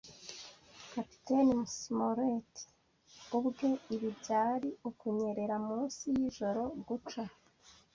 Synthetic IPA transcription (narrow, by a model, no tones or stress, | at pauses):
kapi̥tenmusmoɾet | ubɡe̞iβibjaːɾiukuɲe̞ɾe̞ɾamuːnsijiʒo̞ɾo̞ɡut͡ʃa